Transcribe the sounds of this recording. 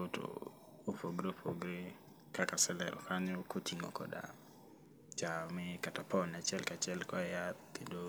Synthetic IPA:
oto̰ | ofoɡɾeopo̰ɡɾe | kakasɛlɛ̰ɾʔɔ̰kʰaɲɔkʰotiŋɔ̰kɔ̰da̰ | t͡ʃamɛkatapɔnat͡ʃɛlkat͡ʃɛlkɔjatkido

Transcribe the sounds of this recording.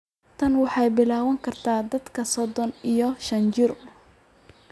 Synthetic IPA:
t̪ʰɐnwɑħɑjbɪlaːwɐŋkʰɐrt̪ʰaːd̪ɐd̪kʰɐsɔd̪ɔnijɔʃɐnt͡ʃɪɾ

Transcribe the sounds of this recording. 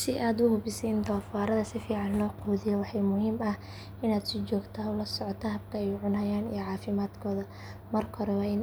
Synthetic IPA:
sɪʔaːd̪ʊhʊbɪsɛjɪnt̪ʰɔːfaːɾɐðɐsɪfiːʕɑnlɔːqɔːðɪjɛwɑħɑjmʊhiːmɐh | ɪnaːd̪sɪt͡ʃɔːɡt̪ʰaːʊlɐsɔʕɔt̪ʰɐɦɐb̚kʰɐɛjʊʕʊnɦɐjaːnijɔʕɑːfɪmaːd̪kʰɔːðɐ | mɐrkʰɔɾɛwɑːɪn

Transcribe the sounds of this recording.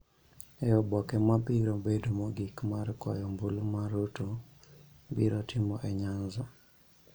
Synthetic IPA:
ɛɔbɔkɛmabiɾobedomoɡikmarkɔjɔmbulmaɾoto | biɾɔtʰɪmɔʔɛɲanzɔ

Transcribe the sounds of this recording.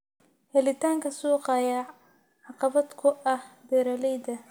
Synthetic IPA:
hɛlɪt̪ʰaːŋkʰɐsuːqɑjɐ | ʕɑqɑβɐd̪kʰʊʔɐhb̪ɛːɾɐlɛjd̪ɐ

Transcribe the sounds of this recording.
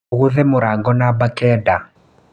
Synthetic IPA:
ɣuðɛmʊɾaŋɡɔnabakɛda

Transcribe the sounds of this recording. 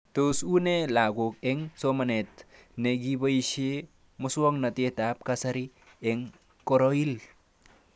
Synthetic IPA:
tosunelaɡok̚eŋsomɐnet̚neɡibaiʃe | mʊswoŋnɐtetap̚kasɐɾi | eŋ | koɾoil

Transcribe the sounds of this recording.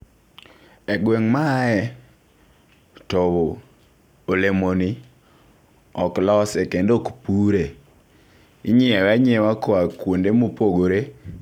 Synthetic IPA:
ɛɡweŋmaɛ | toβo | olemoni | ɔklɔsɛkendokpuɾe | iɲiɛwɛɲɛwakoakwondemopoɡoɾe

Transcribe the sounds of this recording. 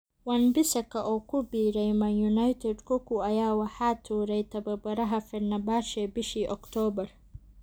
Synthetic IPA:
wɐnbɪsɐkʰɐʔɔːkʰʊbiːɾɛjmɐjunajt̪ʰɛd̪kʰɔkuɐjaːwɑħaːt̪ʰuːɾɛjt̪ʰɐbɐbɐɾɐɦɐfɛnɐbaːʃɛbɪʃiːʔɔkt̪ʰɔːbɐr

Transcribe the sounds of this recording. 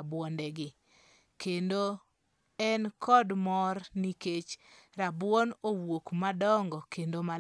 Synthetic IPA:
bwɔndɛɡɪ | kendo | ɛnkɔdmɔrniket͡ʃɾabwɔnowokmadɔŋɡɔkendoma

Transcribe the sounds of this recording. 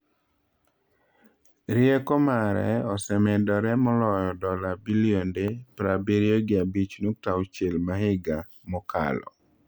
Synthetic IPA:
ɾɪekɔmaɾɛ̰ɔsɛmɛdɔɾɛmɔlɔjɔdɔlabiliondepɾabeɾioɡɪabit͡ʃnok̚tawt͡ʃelmaɦɪɡa | mɔkʰa̰lɔ̰

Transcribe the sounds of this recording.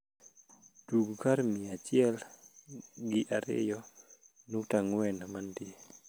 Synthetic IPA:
d̥uɡkaɾmiat͡ʃɪɛl | ɡɪʔaɾɪ̰jɔ | nutaŋwɛnamandɪ

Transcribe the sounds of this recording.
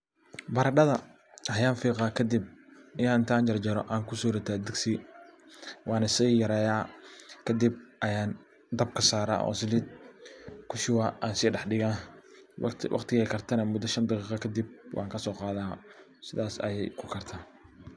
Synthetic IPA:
bɐɾɐɖɐðɐ | hɐjaːnfiːqɑːkʰɐd̪ɪb̚ɐjaːɪnt̪ʰɐaːɲt͡ʃɐrd͡ʒɛɾɔʔaːŋkʰʊsuːɾɐt̪ʰad̪ɪɡsi | wɑːnɐsiːjɐɾɛːjaːkʰɐd̪ib̚ʔɐjaːn | d̪ɐb̚kʰɐsaːɾa̰ːʔɔ̰ːsɪlɪd̪̚ | kʰʊʃɪwaːʔaːnsiːɖɑħɖɪɣaː | wɑ̰qt̪ʰɪɣɛjkʰɐrt̪ʰɐnɐmʊd̪ɐʃɐnd̪ɑqiːqɑkʰɐd̪ib̚wʔɑ̰ːŋkʰɐsɔːqɑːðaː | sɪðaːsɐ̰jɛ̰jkʰʊkʰɐrt̪ʰaː

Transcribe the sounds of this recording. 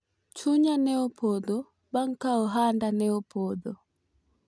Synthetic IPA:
t͡ʃuɲanɛɔpʰɔdɔ | baŋ̩kaɔɦandanɛɔpʰɔðɔ

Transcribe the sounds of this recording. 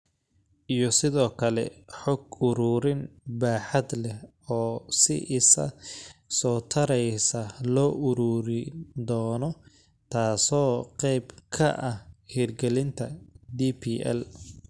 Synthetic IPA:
ʔijɔsɪðɔːkʰɐlɛ̰ħɔɡʊɾuːɾɪnbaːħɐd̪lɛh | ɔːsɪ̰ʔɪsɐ̰sɔːt̪ʰɐɾɛjsɐlɔːʔʊɾuːɾɪd̪ɔːnɔ | t̪ʰaːsɔːqɛjbkʰɐ̰ʔɐhhiːrɡɛlɪnt̪ʰɐd̪iːpʰiːʔɛ̰l

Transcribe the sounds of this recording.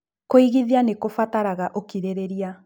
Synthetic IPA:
koiɣiðianekofataɾaɣaʔokiɾeɾeɾia

